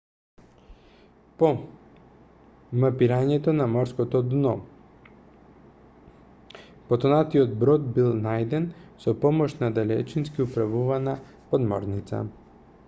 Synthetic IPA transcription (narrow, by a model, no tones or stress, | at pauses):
pɔ | mapiɾaɲɛt̪ɔnamɔɾskɔt̪ɔd̪nɔ | pɔt̪ɔnat̪iɔd̪bɾɔd̪̚bilˠnajd̪ɛnsɔpɔmɔʃnad̪alɛ̰t͡ʃinskiupɾavuvana | pɔd̪mɔ̰ɾnit̪sa̰